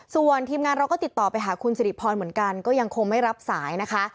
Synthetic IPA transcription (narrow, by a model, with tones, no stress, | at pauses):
su˨˩ənt̪ʰiː˧mŋaː˧nɾa˧wkɔː˥˩t̪i˨˩t̪ːɔː˨˩pa˧jɦaː˨˩˦kʰu˧nsa˧di˨˩pʰːɔː˧nmɯ˩˦ənka˧nkɔː˥˩ja˧ŋkʰo˧ŋma˥˩jɾa˦˥p̚saː˩˦jna˦˥kʰa˦˥ʔ